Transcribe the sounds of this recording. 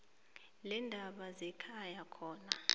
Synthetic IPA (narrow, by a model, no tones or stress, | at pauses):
lɛndʱaɓazɛkʰajakʰɔːna